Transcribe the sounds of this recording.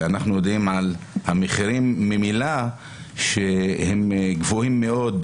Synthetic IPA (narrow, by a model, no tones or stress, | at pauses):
anaχnujodimʕalhameχiʁimːemila | ʃehemɡvohimːe̞o̞d̪